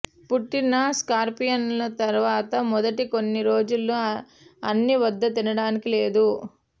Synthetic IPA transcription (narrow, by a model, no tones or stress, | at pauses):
puʈːinɐskaːɾpijɐnlɐt̪ɐɾʋaːt̪ɐmɔd̪ɐʈiko̞nːiɾo̞ːd͡ʒulːu | ɐnːiʋɐd̪ːɐt̪inɐɽaːnikile̞ːd̪u